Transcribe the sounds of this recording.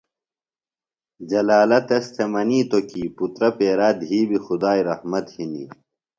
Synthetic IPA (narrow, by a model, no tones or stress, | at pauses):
d͡ʑɐlaːlɐt̪ɐst̪ʰemɐniːt̪okiːput̪ɾɐpeːɾaːd̪ɦiːbixud̪aːiɾɐhmɐt̪hinḭ